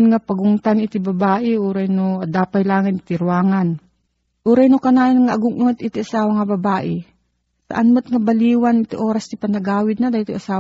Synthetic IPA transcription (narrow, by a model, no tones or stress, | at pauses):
nŋapɐɡʊŋt̪anɪt̪ɪbɐbaːʔɪʔuːɾɐjnod̪aːpajlaːŋɪnt̪ɪɾwaːŋan | ʔuːɾɛjnokɐnaːjonŋaʔɐɡʊŋʔuŋɛt̪ʔɪt̪ɪʔɐsaːwɐŋɐbɐbaːʔɛ | sa̰ʔanmʊt̪̚ŋɐbɐliːwanɪt̪iʔoːɾɐst̪ipɐnɐɡaːwɪd̪̚nad̪ait̪ʊʔɐsaː